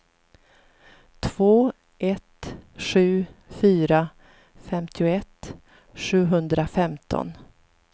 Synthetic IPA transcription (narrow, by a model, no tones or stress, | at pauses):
t̪ʰv̥oː | ʔɛt̪ɧʉ̟ːfyːɾa | fɛmt̪ʰɪʊɛt̪ː | ɧʉ̟ːɦɵnd̪ɾafɛmt̪ʰɔ̰n